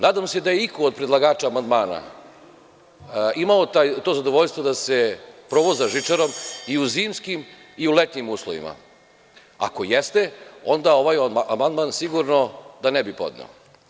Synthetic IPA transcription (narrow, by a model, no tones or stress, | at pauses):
naːd̪amse̞d̪ajeikoːd̪̚pɾed̪lˠaɡaːt͡ʃaːmand̪maːna̰ | imaot̪ajt̪oːzad̪oʋo̞ʎst̪vʋod̪ase̞pɾo̞ʋozaʒit͡ʂaɾo̞miuziːmskim | iulet̪ɲimuːslˠo̰ʋḭma̰ | a̰kojest̪eo̞nd̪ao̞ʋajamand̪mansiɡuɾno̞d̪anebipo̞̰d̪nḛo̰